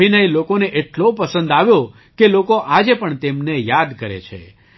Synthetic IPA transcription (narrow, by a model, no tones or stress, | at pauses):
inəjlokoneʔeʈlopəsə̃nd̪aʋjõ | kelokoʔad͡ʒepəɳt̪emnejad̪kəɾḛt͡ʃʰḛ